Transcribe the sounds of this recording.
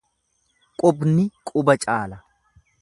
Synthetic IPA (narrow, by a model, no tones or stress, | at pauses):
kʼʊbnɪkʼʊbɐt͡ʃʼaːlɐ